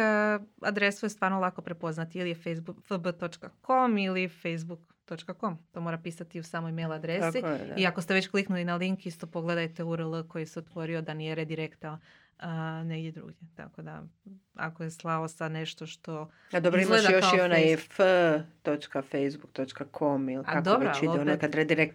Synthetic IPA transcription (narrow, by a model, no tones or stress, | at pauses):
əa̰d̪ɾesujest̪ʋaːɾnolˠako̞pɾe̞po̞znat̪iilijefejzbufəbət̪o̞t͡ʃkako̞milifejzbuk | t̪o̞t͡ʃkako̞mt̪o̞ːmoɾapiːsat̪iusaːmojmejlad̪ɾessḭiakost̪e̞ʋet͡ɕkliknulinaliŋkist̪o̞po̞ɡle̞d̪ajt̪euɾəlˠko̞jiseot̪ʋo̞ɾio̞d̪anijeɾed̪iɾekt̪a | əne̞ɡd̪ʲjed̪ɾṵːɡjet̪a̰ko̞d̪a̰a̰ko̞jeslˠaosad̪neʃt̪o̞ʃt̪o̞ | ad̪obɾoiɡmaled̪ajoʃaionajɛfət̪ot͡ʃkafejzbuk̚t̪ot͡ʃkakʰomiliaad̪obɾot͡ʃaidɛonekad̪ɾed̪iɾek̚t̪